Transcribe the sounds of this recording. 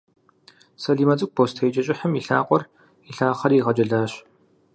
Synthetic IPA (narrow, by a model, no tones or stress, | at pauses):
sɐɮiːmɐt͡sʼɨɡ̚ʷbʰoːstʰejt͡ʃʼɐɕʼɪħəmiɬa̰ːqʷɔr | iɬaːχɐriːʁɐd͡ʒʼɐɮaːɕ